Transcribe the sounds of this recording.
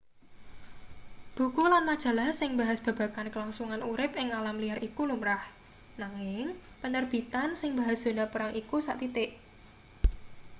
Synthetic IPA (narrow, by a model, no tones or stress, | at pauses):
b̥ṳkulanmad̥ʒ̥a̤lahsɪŋba̤ɦasb̥ä̤b̥a̤kankəlaŋsuŋanuɾɪpɪŋalamliarʔikulumɾah | naŋɪŋ | pənərb̥i̤t̪ansɪŋba̤ɦasd̪̥o̤napəɾaŋʔikusa̰ʔt̪it̪ɪʔ